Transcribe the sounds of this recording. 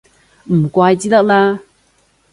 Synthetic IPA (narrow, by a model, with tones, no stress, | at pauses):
m̩˨˩kʷaː˧jt͡siː˦˥t̪ɐ˥k̚laː˧